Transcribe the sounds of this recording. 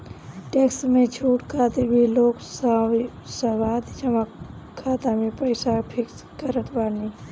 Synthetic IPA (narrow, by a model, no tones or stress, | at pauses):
ʈeksmẽt͡ʃʰuːʈkʰat̪ebʱiloːksasəwaːd̪t͡ʃəmak | kʰːaːt̪amepəɪsapʰɪks | kəɾət̪ʰbani